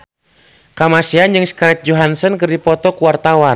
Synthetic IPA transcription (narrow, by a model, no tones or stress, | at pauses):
kamasiand͡ʒɨŋskaɾɛt̪̚d͡ʒɔɦansənkɨrdipɔt̪ɔkuwart̪awa